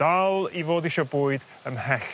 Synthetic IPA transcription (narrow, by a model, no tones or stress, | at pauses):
alˠivoːdɪʃɔbuːɨd | əmhɛɬ